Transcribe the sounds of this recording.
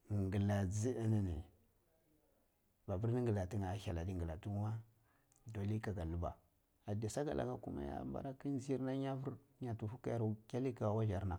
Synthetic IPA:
ŋɡə˨la˨d͡zi˦ə˦ni˦ni˨ | ba˨bu˦ɾni˦ŋɡə˨la˨ti˦ŋa˨˦ça˨la˨di˦ŋɡə˨la˨tu˦ŋ˦wa˦ | do˨li˦ka˨ɡa˨lu˦ba̰˨ | a˨da˨sa˦ɡa̰˨lʔa̰˨ka˦ku˦ma̰˦ja̰˦mba̰˦ɾa˦ki˦n˦zi˦i˦ɾna˦ɲa˦vu˦ɾ | ɲa˨tu˨fu˦ka˦ja˨ɾkʲa˦li˦ka˨wa˦ʒa˨ɾna˨

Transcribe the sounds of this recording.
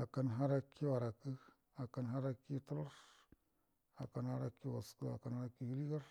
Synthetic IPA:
a˨ka˦nɦa˦ɾa˦kːi˦wa˨ɾa˨kɨ˦ | a˨ka˦nɦa˦ɾa˦kːi˦tu˦ɾo˦ɾ | a˨ka˦nha˦ɾa˦kːi˦wa˨skɨ˦a˨ka˦nha˦ɾa˦kːi˦ɡi˦li˦ɡa˦ɾ

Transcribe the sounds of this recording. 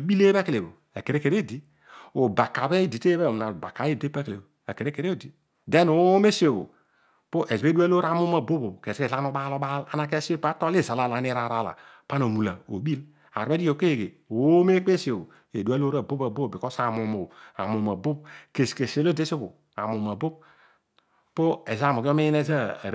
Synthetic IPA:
bi˦le˦ba˦ke˨le˨bo̰˨ | e˨ke˨ɾe˦ke˨ɾe˦˨di˦ | o˨ba˨kːa˨be˦˨di˨te˦be˦o˨m˨na˨ba˨ka˨˦e˦˨de˦pa˦ke˨lḛ˨bo˨e˨ke˨ɾe˦ke˨ɾe˦o˦˨di˨ | de˦no˨˦me˦so˨bo̰˨ | po˦ʔe˨ze˦du˦a˦lo˦ɾa˦˨mo˦m˦a˨bo˦bo˨ke˨se˨la˦no˦ɓa˦lo˦ba˦la̰˦na˦ke˦se˦pa˦to˦le˦za˨la˦˨la˨˦ne˦ɾa˨ɾa˦˨la̰˨ | pa˦no˨mu˨la˨o̰˨bi˦l | a̰˨ɾe˦di˦o˨ke˦˨ɡe˨ | o˨˦me˦k͡pe˦so˨o˨ | e˨du˦a˦lo˦ɾa˨bo˦ba˨bo˦˨bi˨ko˦sa˨mo˨mo˨a̰˨mo˨ma˨bo˦b̚ke˨ske˨se˨lo˦˨di˦so˦bo˨ | a̰˨mo˨m˨a˨bo˦b̚ | po˦e˨za˦˨mo˨ko˦me˦ji˦ne˦za̰˦˨ɾ

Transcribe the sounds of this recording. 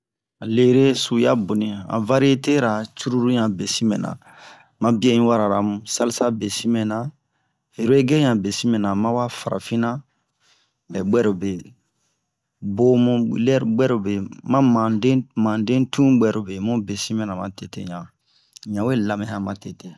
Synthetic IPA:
a˨le˦ɾe˦su˨ja˦bo˨nĩ˨ã̰˨va˦ɾi˦e˦te˦ɾa˨t͡ʃu˦ɾu˦ɾũ˦ɲã˨be˨sĩ˦mɛ̃˨nã̰˨ | mã˦bi˦e˦ĩ˦wa˦ɾa˨ɾa˨mũ˨sa˦li˦sa˦be˨si˦mɛ̃˨na˨ | e˨ɾo˦e˦ɡe˦ɲã˨be˨si˦mɛ̃˨nã˨mã˦wa˦fa˨ɾa̰˨fĩ˦na˦ | ɛ˨ɡ͡bɛ˦ɾo˨be˨ | bo˦mũ˦˨lɛ˦ɾɡ͡bɛ˦ɾo˨be˨mã˦mã˨de˦mã˨dẽ˦tũ˦ɡ͡bɛ˨ɾo˨be˨mõ˦be˨si˦mɛ̃˨nã˨mã˨te˨tḛ˦ɲã˨ | ɲã˨we˦la˨mɛ̃˨hã˦ma˨te˨te˨

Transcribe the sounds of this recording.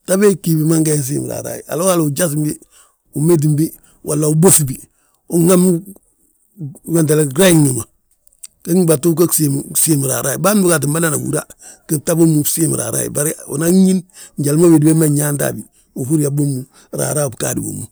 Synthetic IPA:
ta˦be˦ki˨bi˨ma˦ŋɡa˨˦ns̬ḭ˦m˨ɾa̰˨ɾa̰˨jḭ˨a̰˨lo˦a˦lu˨d͡ʒa˦s̬mbi˦ | u˨me˦t̬imbi˦ | wʔalːa˨u˨bo˦sbi˨ | u˨ŋa˦m | wa˨nt̬e˨le˨ɾa˦ji˦ŋi˨ma˨ | ke˦ŋba˨tu˦k̬o˦ksimsi˦m˨ɾa̰˨ɾa˨jḭ˨ba˦n˦bu˦ka˨t̬i˨mba˦na˦na˨wṵ˨ɾa̰˦˨ | ke˦ta˦bo˦mu˨si˦m̰ɾa̰˨ɾa̰˨jḭ˨ba˦ɾio̰˨na˦ɲi˦nɲɟa˨lmo˦be˨di˦be˦ma˦ɲa˦nta̰˨bi | u˨hu˦ɾi˦a˨bo˦mu | ɾa̰˨ɾaː˦˨bka˨dḭ˨wo̰˨mu˨

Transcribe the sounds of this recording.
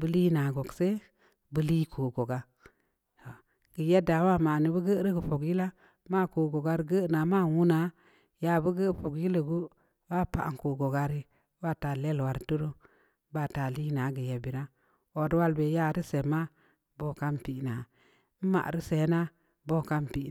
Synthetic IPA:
bə˦li˦na˨ɡo˨kse˦ | bə˦li˦kʰo˨ɡo˨ɡa˦ | to˨ | ɡ̥ə˨je˦da˨˦wa˦ma˨ni˨bə˦ɡə˦ɾə˦ɡə˨po˨ɡji˦la˦ | ma˦ko˨ɡo˨ɡa˦ɾi˦ɡə˦˨na˨ma˦wu˦na˨˦ | ja˨bə˦ɡə˦˨po˨ɡji˦lə˨ɡu˦ | wa˦pa̰˨ŋ˨ko˨ɡo˨ɡa˦ɾi˦ | ba˦˨ta˨le˦lwa˨ɾtu˦ɾo˦ | ba˦˨ta˨li˦na˨˦ɡə˨je˨bi˨ɾa˦ | o˨dwa˦lbe˨ja˦˨ɾi˦se˨ma˦ | bo˦ka˦mpi˨˦na˨˦ | m̩˦ma̰˨ɾi˦se˨˦na˦ | bo˦˨ka˦mpi˨

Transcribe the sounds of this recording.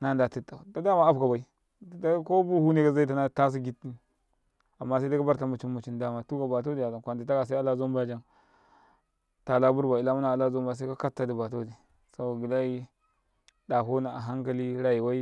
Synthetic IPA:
na˦˨n˨da˨ti˦tːa˨da˦da˦ma˦a˦bka˨ba˨i˦˨ | da˦ko˦bu˦hu˦ne˦ka˦za˦i˦ta˦na˦˨ta˦s̬i˦ɡi˦ti˦ | a˨mːa˦sa˦a˦ka˦ba˦ɾta˨mu˨t͡ʃi˦nmu˨t͡ʃi˦nda˦ma˨tu˦ka˨ba˨t̬o˦di˨ja˨ɡa˨kʷa˨nti˨ta˦ka˨s̬a˦a˦la˦zo˦mba˦˨d͡ʒa˦n | ta˨la˦bu˦ɾba˨i˨la˦mu˦na˨a˨la˦zo˦mba˦˨s̬a˦a˦ka˦tːa˨di˨ba˨t̬o˦di˨ | sa˦bo˨ɡi˨la˦ji˦ | da˨ko˦na˨a˨ɦa˦ŋka˨li˦ɾa˨ji˨wa˦i˦

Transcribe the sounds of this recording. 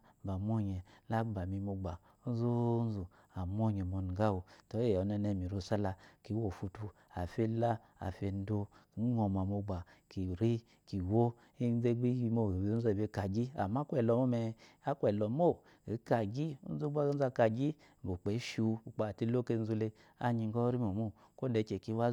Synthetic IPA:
ba˨mʷ˦o˦ɲɛ˨la˦ba˨mi˧mo˧ɡ͡ba˨˦zo˦n˦zu˨ | a˨mʷo˦ɲɛ˨mo˧n˨ɡa˦wu˧to˨˦e˦˨ɔ˨˦nɛ˧˦nɛ˧˨mi˨ɾo˧˨sa˦la˧ki˨˦wo˨fu˧tu˧ | a˨fe˦la˦ | a̰˨fe˧n˦do˧˨˦ŋɔ˧m˨a˨mo˧ɡ͡ba˨ki˨ɾi˦ | ki˨wo˦ | i˦ze˦ɡ͡bi˦ji˧mo˦˨i˨b̩˧˦zo˦˨be˧˦ka˨ɡi˦a̰˨ma˦kʷɛ˨lɔ˧˨mo˦mɛ˧ | a˦kwɛ˨lɔ˨mo˦˨ | i˨˦ka˧ɡi˦zu˦ɡ͡ba˦n̩˦za˧ka˧ɡi˦˨ | bo˨k͡pe˨˦ʃu˧u˨k͡pa˨ti˧lo˦ke˧n̩˦zu˧le˧ | a̰˧ɲi˧ŋ˦ɡɔ˦ɾi˦mo˨mu˦ | ko˦de˧˨˦t͡ʃe˨ki˧˦wa˦

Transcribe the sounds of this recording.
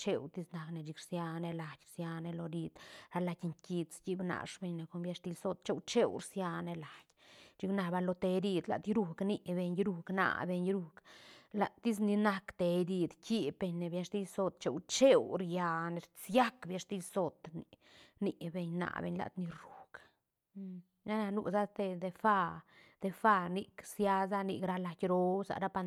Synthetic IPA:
t͡ʃe˧wt̪i˦sna˧kne˧˨d͡ʒi˧kɾsja˧ne˧la˨jʲɾsja˧ne˧lo˧d̪i˧d̪̥ɾa˧la˧kʲŋki˧t͡ski˦bna̰˨ʂbe˧ɲne˧ko˧nbja˧ʂst̪i˧lso˧t̪̚t͡ʃe˦˧wt͡ʃe˦wɾsja˧ne˧la˨j | t͡ʃi˧kna˧ba˧lo˧t̪e˧d̪i˧d̪la̰˨d̪jɾu˧kni˧be˧ɲɾu˧kna̰˨be˧ɲɾu˧kla˨t̪i˦s̬ni˧na˧kt̪e˧d̪i˧d̪ki˧pe˧ɲe˨bja˧ʂt̪i˦so˧t̪t͡ʃe˨wt͡ʃe˦wɾja˧ne˧ɾt͡sja˦kbja˧˨ʂt̪i˧so˨t̪ni˨ | ni˧˨be˧ɲna̰˨bḛ˧ɲla̰˧t̪ni˧ɾu̥˨k | na˦na˧nṵ˧za˦t̪e˧d̪e˧fa˧ | d̪̥e˧fa˧ni˧ksja˧za˦˧ni˧kɾa˧la˧jɾo˧sa̰˨ɾa˦pa˧n

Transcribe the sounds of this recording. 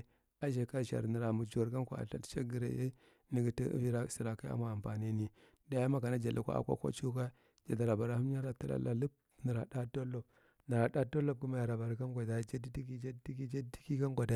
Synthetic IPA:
a˦ʒe˨ka˦ʃa̰˨ɾnə˨ɾa˨mu˨d͡ʒu˨˦a˨ɾka˦nkʷa̰˨a̰˨ɬa̰˦tt͡ʃa˦ɡə˨ɾa̰˨˦je˦ | ni˨ɡi˨tḭ˦vi˦ɾa˦˨si˨ɾa˨ka˦a̰˦ma˦a˨mpa˨ni˦ni˨ | da˦ja˦ma˦ka˨na˦d͡ʒa˨la˨kʷa̰˦a̰˦˨kʷa̰˦kʷa̰˦t͡ʃu˦ka˦ | d͡ʒa˨da˨ɾa˨ba˨ɾa˨hu˦m˦a˦ɾa˨ta˦la̰˨la̰˦lə˦p̚ | nə˨ɾa˨da˦to˦lo˨b | na˨ɾa˨da˦to˦lo˦b̚ku˦ma˦ja˨ɾa˨ba˨ɾa˨ka˦ŋɡʷa˨da˨d͡ʒa˦di˦di˦ki˦d͡ʒa˦ddi˦ki˦d͡ʒa˦ddi̥˦ki˦ka˦ŋɡʷa˨da˨

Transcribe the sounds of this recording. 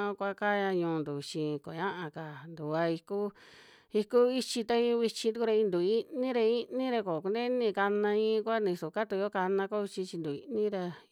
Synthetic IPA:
kʷa˦ka˦ɲã˧ɲũː˧˨˧nd̪u˨t͡ʃĩ˧ko˨ɲã˦ʔã˧ka˨nd̪u˨a˧i˧ku˦ | i˧ku˦i˦t͡ʃi˧t̪a˦ĩ˧˦˧βi˧t͡ʃĩ˧t̪u˦ku˧ɾa˧ĩ˧nd̪u˨i˦nĩ˦ɾa˧i˦nĩ˦ɾa˧ko˨ku˧nd̪e˦nĩ˧ka˧nã˧ĩ˦˧kʷa˦nĩ˧su˨ka˦t̪u˧o˦ka˧nã˧ko˦i˧t͡ʃi˧t͡ʃi˧nd̪u˨ḭ˧nĩ˦ɾa˧

